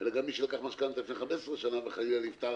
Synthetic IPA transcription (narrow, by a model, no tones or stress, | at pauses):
elaɡamːiʃelakaχmaʃkant̪lifneχamessʁeʃanaveχajialift̪a